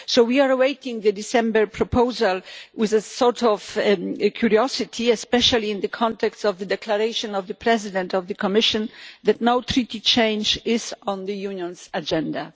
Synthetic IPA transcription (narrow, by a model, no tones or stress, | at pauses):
sowwiaɹwejt̪ĩŋd̪ɨd̪isɛ̃mbɛɹpʰɹɔpʰowzalwɪzəsɔɹtʰɔvkʰjuɾiɔsɪt̪ʰiɛspɛʃaliɪ̃nd̪əkʰɔ̃nt̪ɛkstsɔvðəd̪ɛklaɾejʃɔ̃nɔvðəpɾɛzɪd̪ɛ̃nt̪ɔvðəkɔmɪʃɔ̃nðæt̪nowt̪ɾit̪it͡ʃẽj̃nd͡ʒɪzɔ̃nðəjunjɔ̃nsad͡ʒɛ̃nd̪a